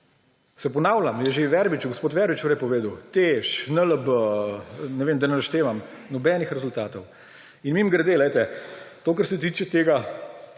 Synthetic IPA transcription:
sɛpɔnawlamjɛʒeʋɛɾbit͡ʃuɡospoːt̪ʋɛɾbit͡ʃt̪oːɾjɛpɔʋeːd̪əwt̪eʃnələbə | nɛʋeːmd̪ɐnɛlaʃt̪eːʋamnɔbɛnixɾɛzʊlt̪aːt̪ɔw | inmimɡɾɛd̪eːlɛjt̪ɛt̪oːkɐɾsɛt̪iːt͡ʃɛt̪eːɡa

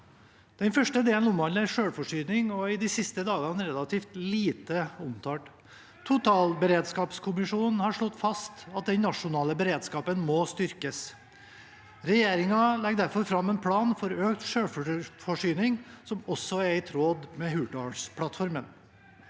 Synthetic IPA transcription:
d̪̥ɛnfœʂʈəd̪eːln̩ɔmʋɑləæɾʂøːɽfɔʂyːnɪŋɔɪd̪isɪst̪əd̪ɑːɡɑnəɾɛlɑt̪ʰiːft̪liːt̪əʊmt̪ʰɑːʈ | t̪ʰʊt̪ʰɑːlbəɾeːd̪skɑːpskʰʊmɪʂuːnn̩hɑɾʂɭɔt̪ːfɑst̪ɑt̪̚d̪ɛnnɑʂʊnɑːləbəɾeːd̪skɑːpənmɔst̪ʏɾkəs | ɾɛjeːɾɪŋɑlɛɡd̪æɾfɔɾfɾɑmːɛnpʰlɑːnfɔɾøːkt̪ʂøːɽffɔʂyːnɪŋsɔmɔsːɔæɾɪt̪ʰɾoːd̪mɛɦʉːʈɑspʰɽɑt̪fɔɾmən

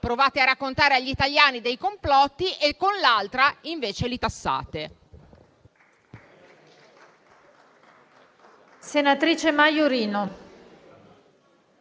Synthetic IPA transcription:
pɾovaːt̪earːakːont̪aːɾeaʎːit̪aʎjaːnid̪ejkomplɔt̪ːiʔekːonlalt̪ɾaiɱveːt͡ʃelit̪asːa̰ːt̪e | senat̪ɾiːt͡ʃemajoɾiːno

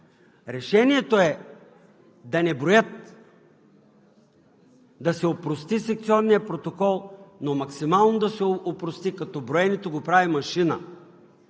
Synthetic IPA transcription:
ɾɛʃɛniɛt̪oɛ | d̪ɐnɛbɾojət̪ | d̪ɐsɛopɾost̪isɛk̚t̪siɔnːijəpɾot̪okɔlˠnomɐksimalˠnod̪ɐsɛopɾost̪ikɐt̪ɔbɾoɛnit̪oɡopɾavimɐʃinə̰

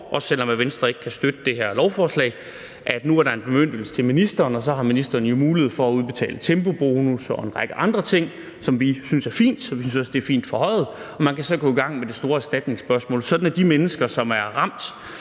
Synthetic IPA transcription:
ʔɒ̽ssel̰ɒ̽mæʋensd̥ʁɐe̝ɡ̥kʰæsd̥ød̥əd̥e̝heɐ̰lɒʊfɒːslɛ̰ɪ | ʔæd̥nuæɐɾɑe̝nb̥e̝møn̰d̥l̩sə̥t͡sʰe̝lminisd̥ɐːnɒsɒ̽ɦɑ̈minisd̥ɐːnəjo̝muːliheð̩̰ˠfɒ̽æuð̞ˠb̥e̝t͡sʰɛ̰ːlət͡sʰemb̥o̝b̥o̝ːnusɒ̽e̝nʁɑ̈ɡ̥əʔɑ̈nd̥ʁɐt͡sʰe̝ŋ̰ | sɒ̽mʋisynsæɐfḭːnd̥sɒʋisynsɒ̽sd̥e̝æɐfḭːnd̥fɒ̽hɒ̽ɪ̰ð̞̩ˠɒ̽mænkʰæsɒ̽ɡ̥ɔ̽iɡ̥ɑ̈ŋ̰med̥e̝sd̥o̝ːɐæɐsd̥æd̥ne̝ŋsb̥ɶɐsmɔ̰̽ːlsɒ̽d̥n̩æɐd̥imenəsɡ̥ɐsɒ̽mæɐʁɑ̈m̰d̥

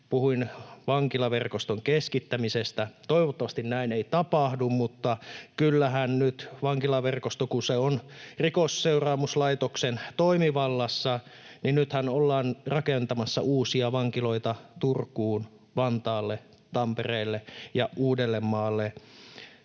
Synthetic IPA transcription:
puhuinʋɑŋkilɑʋerkost̪oŋkeskit̪ːæmisest̪æt̪oiʋot̪ːɑʋɑst̪innæineit̪ɑpɑhdummut̪ːɑkylːæɦænnyt̪ʋɑŋkilɑʋerkost̪okuseonrikosːeurɑːmuslɑit̪oksent̪oimiʋɑlːɑsːɑninnyt̪hænolːɑːnrɑkent̪ɑmɑsːɑ̰ʔuːsiɑʋɑŋkiloit̪ɑt̪urkːˑuːn | ʋɑnt̪ɑːlːe | t̪ɑmpereːlːejɑʔuːdelːemːɑːlːe

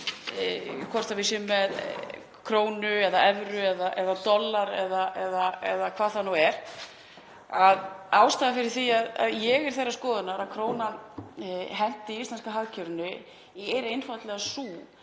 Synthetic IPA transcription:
kʰɔr̥t̪avɪsʏmːɛð | kʰɾoːwnʏɛðaɛvɾʏɛðaʔɛðat̪ɔlːaɾɛðaʔɛðaɛðakʰv̥aːðθanuwɛɾ̥ | aðaːwst̪aːðafɪɾɪɾ̥θiaða̰ðjɛɣɛɾ̥θejraskɔːðʏnaɾaðkʰɾoːwna | ɦɛn̥t̪ɪiist̪anskaɦaðcʰœɾnʏ | ɛɾejnfat̪lɛɣasuː

